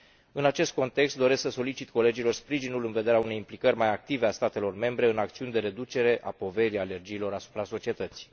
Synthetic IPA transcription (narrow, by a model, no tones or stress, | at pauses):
ɨnat͡ʃe̞st̪̚ko̞nt̪e̞kst̪̚d̪o̞ɾe̞sksəso̞lit͡ʃit̪ko̞le̞d͡ʒilo̞rspɾiʒinulɨnve̞d̪e̞ɾeaune̞jimplikərʲmajak̚t̪ive̞ast̪at̪e̞lo̞rme̞mbɾe̞ɨnakt̪siunʲd̪e̞ɾe̞d̪ut͡ʃe̞ɾe̞ʔa̰po̞ve̞ɾiale̞rd͡ʒiːlo̞ɾasu̥pɾaso̞t͡ʃie̞t̪ət̪si̥